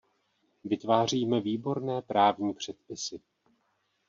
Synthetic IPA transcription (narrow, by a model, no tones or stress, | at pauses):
vɪt̪vaːr̝iːmɛviːbo̞ɾnɛːpɾaːvɲiːpr̝̥ɛt̪̚pɪsɪ